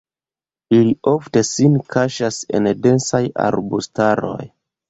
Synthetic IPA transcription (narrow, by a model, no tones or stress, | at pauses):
ilio̞fte̞sinkʰaʃase̞̰nde̞nsaja̰ɾbustaɾo̞̰j